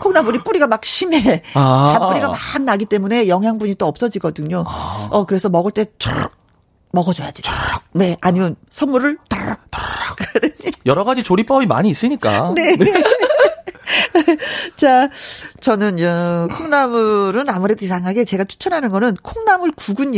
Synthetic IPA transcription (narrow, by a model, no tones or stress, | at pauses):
kʰoŋnamuɾip͈uɾiɡamak̚ɕʰime̞t͡ɕampuɾiɡamanːaɡit͈e̞mune̞jʌŋɦjaŋbuɲit͈oʌp̚s͈ʌd͡ʑiɡʌdɯɲoʌkɯɾe̞sʰʌmʌɡɯɭt͈e̞t͡ɕʌ̰ | mʌɡʌd͡ʑʌjad͡ʑi̥ne̞aɲimjʌnsʰʌnmuɾɯɭt͈aɾak̚tkdɯijʌɾʌɡad͡ʑit͡ɕoɾip͈ʌbima̰ɲiːs͈ɯɲik͈a̰ne̞ | t͡ɕat͡ɕʌnɯnʌkʰoŋnamɯɾɯnamuɾe̞doisʰaŋɦaɡe̞t͡ɕe̞ɡat͡ɕʰu̥t͡ɕʰʌnɦanɯnɡʌnɯnkʰoŋnamɯɭkuɡun